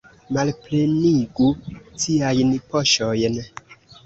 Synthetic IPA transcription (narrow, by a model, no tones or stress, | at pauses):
malpleniɡutiajnpoʃojn